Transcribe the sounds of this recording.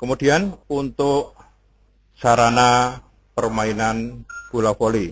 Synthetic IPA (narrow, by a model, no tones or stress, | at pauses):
kəmud̥ianunt̪ʊʔ | saɾana | pərmainanb̥ulafoli